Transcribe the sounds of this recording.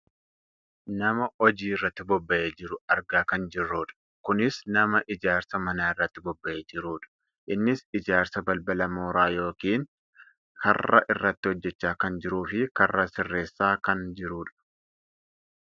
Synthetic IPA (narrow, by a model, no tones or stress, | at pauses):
nɐmɐɔd͡ʒiːɪrːɐt̪ːɪbɔbːɐʔeːd͡ʒɪɾʊɐɾɡaːkɐnd͡ʒɪrːuːᶑɐ̥ | kʊnɪsnɐmɐʔɪd͡ʒaːɾsɐmɐnaːɪrːɐt̪ːɪbɔbːɐʔeːd͡ʒɪɾuːᶑɐ̥ | ʔɪnːɪsɪd͡ʒaːɾsɐbɐlbɐlɐmoːɾaːjo̞ːkiːn | hɐ̰rːɐ̰ʔɪrːɐt̪ːɪhɔd͡ʒːɛt͡ʃːaːkɐnd͡ʒɪɾuːfɪkɐrːasɪrːe̞ːsːaːkɐnd͡ʒɪɾuːᶑɐ̥